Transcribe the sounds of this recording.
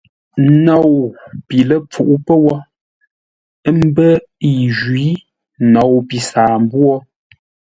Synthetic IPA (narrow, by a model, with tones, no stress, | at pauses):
nɔ˨wpi˨lə˦˨p͡fu˨ʔu˦pə˦wɔ˦ | ə˦m̩˦bə˦ | i˨ʒwi˨˦ | nɔ˨wpi˨saː˨m˦bwɔ˦